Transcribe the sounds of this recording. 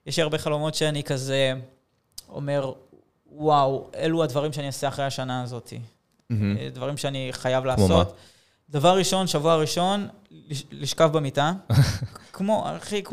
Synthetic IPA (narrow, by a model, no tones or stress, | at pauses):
jeʃliaʁbe̞χalo̞mo̞tʃeanikaze | o̞̰me̞ʁ | waweluad̪vaʁimʃeanioseaχʁejaʃanaːzo̞t̪ʰḭ | d̪vaʁimʃeaniχajavlaːsot̪ | d̪avaʁːiʃo̞nʃavuaʁiʃo̞nliliʃkafbemita | kmoa̰χik